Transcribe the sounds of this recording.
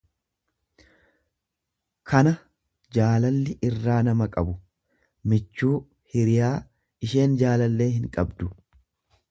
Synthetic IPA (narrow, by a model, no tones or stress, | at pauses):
kʰɐnɐ | d͡ʒaːlɐlːɪʔɪrːaːnɐmɐkʼɐbʊ | mɪt͡ʃːuː | hɪɾɪjaː | ɪʃe̞ːnd͡ʒaːlɐlːe̞ːɦɪŋkʼɐbd̪ʊ